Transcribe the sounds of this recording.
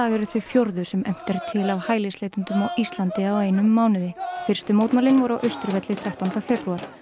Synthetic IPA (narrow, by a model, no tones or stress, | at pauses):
aːɣɛɾʏθvʏfjoɾðʏsɛmɛm̥t̪ɛɾ̥t̪ʰɪlawhaːjlɪsleːjt̪ʏnt̪ʏmɔʔist̪lant̪ɪaweːjnʏmːaːwnɪðɪfɪr̥st̪ʏmoːwt̪malɪnvɔɾʏawʔœɥst̪ʏɾvɛt̪lɪθawht̪ant̪afɛpɾuaɾ̥